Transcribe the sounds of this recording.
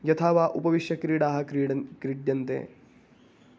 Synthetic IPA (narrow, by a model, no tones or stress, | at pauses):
jɐt̪ʰaːʋaːʔupɐʋiʃjɐkɾiːɽaːɦɐkɾiːɽɐkɾiɖjɐnt̪ḛː